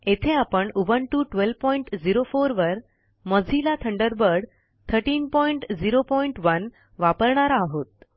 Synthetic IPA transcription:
et̪ʰeapəɳuʋənʈuʈʋelʋpɔiɳʈd͡ziɾofoɾʋəɾ | məd͡zʱilat̪ʰəɳɖəɾbəɽ | t̪ʰəɾʈiːnpɔiɳʈd͡ziɾopɔiɳʈʋən | ʋapəɾɳaɾaːɦot̪̚

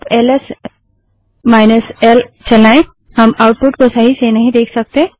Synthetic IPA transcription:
peːləs | maːɪnəsɛlt͡ʃɐlaːẽ | hɐmaʊʈ̚pʊʈkosɐɦisenɐɦĩd̪eːkʰsɐk̚t̪ẽ

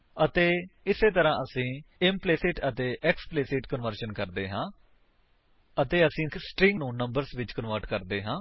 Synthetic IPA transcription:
ət̪eːɪseːt̪əɾãːʔəsĩːɪmpleːsɪːʈət̪eːʔɛkspleːsɪʈkənʋəɾʃənkəɾd̪eːɦãː | ət̪eːəsĩːsʈɾĩŋɡnũːnːəmbəɾsʋɪt͡ʃkənʋəɾʈkəɾd̪eːɦãː

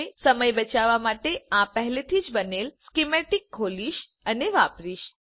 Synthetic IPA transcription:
səməjbət͡ʃaʋamaʈeãpəɦlet̪ʰid͡ʒbənelskimeʈikʰːoliʃ | əneʋapɾiʃ

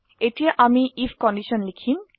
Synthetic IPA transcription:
eʈieʔamiifʰkɔɳɖiʃɔnlikʰin

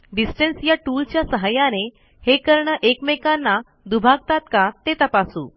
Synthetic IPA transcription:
ɖisʈənsjaʈult͡ɕjasəɦajane | hekəɾɳəʔekmekanːa | d̪ubʱaɡ̚t̪at̪kat̪et̪əpasṵː

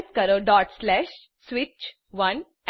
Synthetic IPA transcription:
t̪kəɾoɖɔʈslɛɕ | sʋit͡ɕ | ʋən

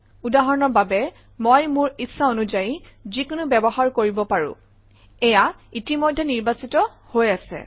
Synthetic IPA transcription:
udaɦɔɹnɔɹbabɛ | mojmʊɹisaonuzaji | zikʊnʊbɛbɔɦaɹkoɹibɔpaɹʊ̰̃ | ɛja | itimɔjdʱːɛniɹbasitɔ | hojasɛ̰

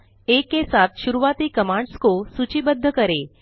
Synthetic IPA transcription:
ekesat̪ʃuɾuʋat̪iːkəmãɳɖskosut͡ɕibəd̪ʱːəkəɾe

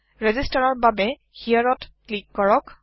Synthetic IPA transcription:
ɹɛzistaɹɔɹbabɛ | hijaɹɔtklikːɔɹɔk

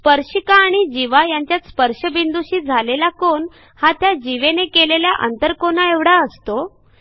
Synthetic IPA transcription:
spəɾɕikaːɽ̃id͡ʑiʋajaɲt͡ɕjat̪spəɾʂəbind̪uɕiːd͡zʱalelakoɳ | hat̪jad͡ʑiʋenekeleljaʔə̰nt̪əɾkonaeʋɽ̤aəst̪o

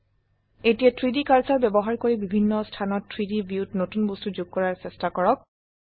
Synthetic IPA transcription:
etijatɹidikaɹsaɹbɛbɔɦaɹkoɹibibʱinːɔstʰanɔtʰːɹidibiutnotunbostuzuɡ̚kɔɹaɹsɛstakɔɹɔk̚

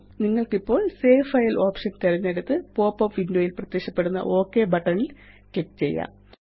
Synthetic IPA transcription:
niŋːɐɭkipːo̞ːɭseːfɐjɐlʔo̞ːpʂɐnt̪ɐɾɐnːeɽut̪ːɨpo̞ːpːɐpʋindoːjilprɐt̪ːekʂɐpːeɽunːɐ̰ʔo̞ːkːe̞bɐʈːɐɳil | kek̚ːt͡ɕe̞̰jːa̰

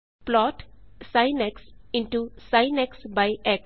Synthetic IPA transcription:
plɔːʈsaɪnɛksɪ̃ɳʈusaɪnɛksbaɪʔɛk

